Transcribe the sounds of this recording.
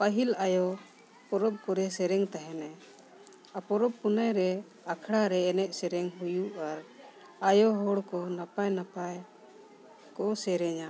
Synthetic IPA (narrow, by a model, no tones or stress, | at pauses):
paɦilajɔ | pɔɾɔb̚kɔɾɛsɛɾɛŋt̪aɦɛnɛ | apɔɾɔb̚punajɾɛ | akʰɽaɾɛːnɛʔ̪̚ˀsɛɾɛŋɦujuaɾ | ajɔɦɔɽkɔnapajnapaj | kɔʔsɛɾɛɲa